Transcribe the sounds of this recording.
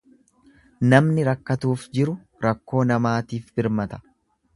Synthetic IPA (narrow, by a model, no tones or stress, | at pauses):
nɐmnɪɾɐkːɐt̪uːfd͡ʒɪɾʊ | ɾɐkːo̞ːnɐmaːt̪iːfbɪɾmɐt̪ɐ̥